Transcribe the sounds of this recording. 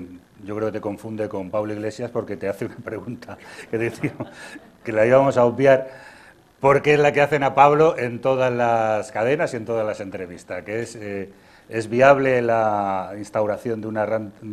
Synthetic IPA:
ɟ͡ʝokɾeket̪e̞ko̞ɱfund̪e̞ko̞mpaβloiɣle̞sjaspo̞ɾke̞t̪e̞aθeunapɾe̞ɣ̞unt̪ʰake̞ðiθio | ke̞laiβamo̞saobjaɾ | po̞ɾkeezlake̞aθe̞napaβlo̞ʔe̞nt̪o̞ðazlaskað̞e̞nasie̞nt̪o̞ð̞azlase̞nt̪ɾe̞β̞ist̪askeese | e̞zβiaβle̞lainst̪awɾaθjo̞nd̪unaran

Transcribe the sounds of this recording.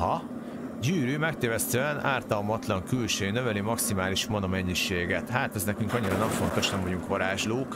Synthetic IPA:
ɦɒ | ɟyːɾyːmɛk̚t̪eːvɛst̪øɛnʔaːrt̪ɒlmɒt̪lɒŋkylʃøːnøvɛlimɒksimaːliʃmonomɛɲːiʃeːɡɛt̪haːt̪ɛznɛkyŋkɒɲːiɾɒnɛɱfo̞nt̪o̞ʃnɛmvɒɟuŋkʋɒɾaːʒloːk

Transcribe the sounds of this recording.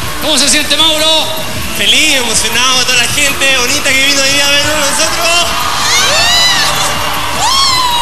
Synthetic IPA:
komos̬esjent̪emawɾo | felisemosjonawat̪oðalaxent̪eβonit̪akeβinoiβiaβenunosot̪ɾo

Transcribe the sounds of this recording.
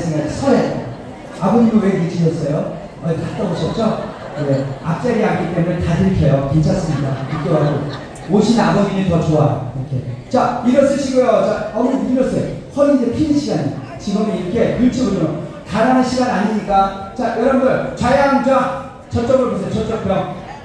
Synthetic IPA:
s͈ɯŋasʰʌɾe | abʌd͡ʑimuweɡiɡet͡ɕinʌs͈ʌjo | ʌtat͈ʌboɕʰʌt̚t͡ɕ͈ʌ | jeap̚t͡ɕ͈aɾeɦak͈it͈e̞munetatɯɾkʰjʌjokent͡ɕʰas͈ɯmɲik͈amik͈jowaɡo | oɕʰinabʌd͡ʑinitʌt͡ɕoaiɾʌkʰe̞̰t͡ɕaiɾʌs͈ɯɕʰiɡojot͡ɕaʌbɯiɾʌs͈ʌjohʌind͡ʑepʰiniɕʰiɡaɲi | t͡ɕiɡʌmeiɾʌkʰe̞kuɭt͡ɕʰoɡuɾʌɾo | kaɾanɯnɕʰiɡanaɲiɲik͈at͡ɕajʌɾʌnɡʌɭt͡ɕajaŋd͡ʑa | t͡ɕʌt͡ɕ͈ʌmoposʰejot͡ɕʌt͡ɕ͈ʌpʰjʌŋ

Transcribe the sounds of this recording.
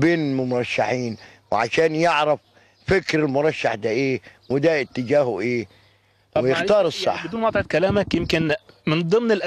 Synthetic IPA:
beːnɪlmʊmɾˤɑʃːaħiːn | wɪʕaʃaːnjɪʕɾɑf | fɪkɾɪlmʊɾˤɑʃːaħd̪aʔeːwɪd̪æɪt̪ːɪd͡ʒaːhʊʔeː | wɪjɪxɑːɾˤɨsˤːɑ̰ħbɪd̪uːnwɑt̪ˤʕɪt̪̚kælæːmækjɪmkɪn | mɪnd̪ˤɨmnɪlʔ

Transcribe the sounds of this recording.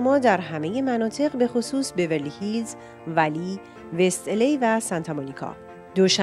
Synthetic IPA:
mɒːd̪æɾɦæme̞je̞mænɒːt̪ʰe̞ʁbe̞xosuːsbe̞velihilz | væliː | ve̞st̪elejvæsænt̪ʰɒmɒnikʰɒ̰ | d̪̥oʃ

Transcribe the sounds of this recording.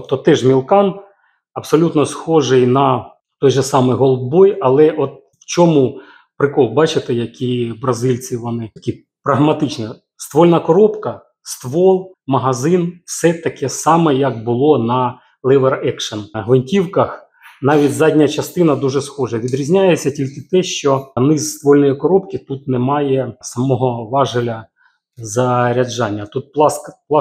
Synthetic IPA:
pt̪ɔt̪ɛʒmʲilˠkɑn | ɐpsɔlʲut̪nɔsxɔʒɪjnɐ | t̪ɔjʒɛsɑmɪjɦɔl̚ˠbɔjɐlˠɛʔɔt̪̚ | wt͡ʃɔmu | pɾɪkɔlˠbɑt͡ʃɪt̪ɪjɐkʲibɾɐzɪlʲt͡sʲiʋɔnɪɐkʲi | pɾɐɦmɐt̪ɪt͡ʃnɛ | st̪ʋɔlʲnɐkɔɾɔpkɐ | st̪ʋɔlˠ | mɐɦɐzɪnfsɛt̪ɐkɛsɑmɛjɐk̚bʊlˠɔnɐ | lˠɛʋerɛkʂɐnɦʋɪnʲtʲiwkɐx | nɑʋʲitʲzɑdʲnʲɐt͡ʃɐst̪ɪnɐd̪uʐɛsxɔʐɐʋʲid̪ɾʲizʲnʲajet͡sʲːɐtʲilʲkɪt̪ɛʃt͡ʃɔnɪzst̪ʋɔlʲnɔjikɔɾɔpkʲɪt̪ut̪nɛmɑjɛsɐmɔɦɔʋɑʒɪlʲɐ | zɐɾʲɐd͡ʒɑnʲːɐt̪ut̪̚plˠɑskplˠɑ

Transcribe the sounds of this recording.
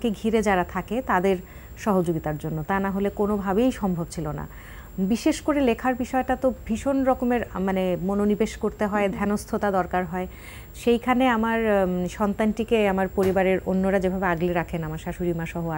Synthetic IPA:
keɡʱiɾed͡ʑaɾat̪ʰaket̪ad̪eɾ | ʃɔɦod͡ʑoɡit̪aɾd͡ʑonːot̪anaɦolekonobʱabejʃɔmbʱobt͡ɕʰilona̰ | biʃeʃkoɾelekʰaɾbiʃɔeʈat̪obʱiʃonɾɔkomeɾmanemononibeʃkoɾt̪eɦɔed̪ʱɛnost̪ʰot̪ad̪ɔɾkaɾɦɔe | ʃejkʰaneamaɾʃɔnt̪anʈikeamaɾpoɾibaɾeɾonːoɾad͡ʑebʱabeaɡliɾakʰenamaɾʃaʃuɾimaʃɔɦoa

